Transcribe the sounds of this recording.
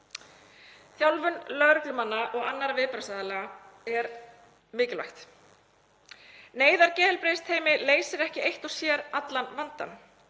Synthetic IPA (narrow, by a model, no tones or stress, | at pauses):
θjawlvʏnlœɾʏklʏmanːaʔɔɣanːaɾavɪːpɾasaːðalɛːɣa | ɛɾ | mɪːcɪlva̰jxt̪ | neːjðaɾcɛːɛlpɾejst̪ʰeːjmɪleːjsɪɾɛhcɪejht̪ɔsjɛːɾat̪lanvant̪a̰n